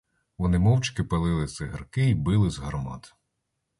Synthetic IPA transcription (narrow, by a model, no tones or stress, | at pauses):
ʋɔnɪmɔwt͡ʃkɪpɐlˠɪlˠɪsɪɦɐrkɪibɪlˠɪzɦɐrmɑ̰t̪